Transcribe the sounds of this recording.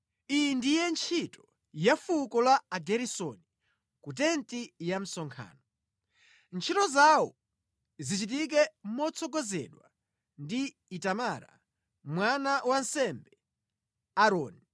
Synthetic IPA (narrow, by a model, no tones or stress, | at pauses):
ijindijɛnt͡ʃʰitɔ̥ | jafukɔlaːɡɛɾisɔni | kut̬ɛntijam̩sɔŋkʰa̰ːnɔ | nt͡ʃʰitɔzawɔ̰ | zit͡ʃit̬ik̬ɛmɔt͡sʰɔɡɔzɛ̰ɗwa | ndi | itamaɾa̰ | mwanawan̩sɛmbɛ | aɾɔːni